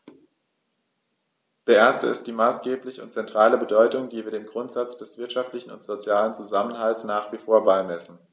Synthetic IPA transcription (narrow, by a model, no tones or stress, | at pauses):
d̥eːɐʔeːɐstəɪ̰st̚d̥iːmaːsɡ̥eːplɪçəʊntt͡sɛntʁ̥aːləbədɔʏtʊŋdiːviːɐdeːnɡʁʊntz̥at͡sd̥ɛsv̥ɪɐtʃaftlɪçn̩ʊ̰ntz̥ot͡sjaːlənt͡suzamənɦaltsnaːχv̥ifoːɐbaɪmɛsn̩